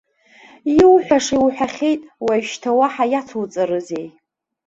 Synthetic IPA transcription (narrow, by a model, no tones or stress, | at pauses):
iwħʷᶣaʂiwħʷᶣaχʲe̞jtʼwaʃtʰawaħajat͡sʰwt͡sʼɨɾɨzej